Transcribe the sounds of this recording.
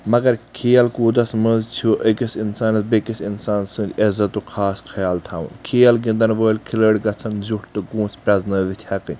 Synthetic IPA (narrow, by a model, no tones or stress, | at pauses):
mɐɡɐɾkʰeːɐlkuːd̪ɐsmənzt͡ʃʰuʔəkisinsaːnɐsbekisinsaːnsɨ̃nd̪ʲɐzɐt̪ːukʰaːskʰɐjaːlt̪ʰaːʋṵnkʰeːjɐlɡĩnd̪ɐnʋəːlkʰiləːɽɡɐt͡sʰɐnzuʈt̪ɨɡũːspɾɐznɐːʋit̪ʰjaːkɨnʲ